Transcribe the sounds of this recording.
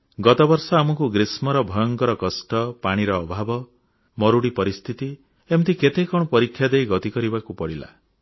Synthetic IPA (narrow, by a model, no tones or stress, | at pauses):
ɡɔt̪ɔbɔɾsɔamɔkuɡɾismɔɾɔbʱɔjɔŋkɔɾɔkɔsʈɔpaɽ̃iɾɔːbʱabɔ | mɔɾuɽipɔɾist̪ʰit̪i | emt̪ʰiket̪ekɔ̃ɔpɔɾikʰːjad̪ejɡɔt̪ikɔɾibakupɔɽila̰